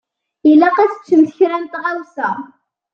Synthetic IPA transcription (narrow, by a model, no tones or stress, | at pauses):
ilːæqæt͡sə̥t͡sːəmθəçɾænt̪ʁæwsæ